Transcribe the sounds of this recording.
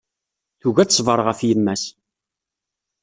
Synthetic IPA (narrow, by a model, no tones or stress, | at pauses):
θuɣæt͡sːsˤvəɾˤʁəfjəmːæs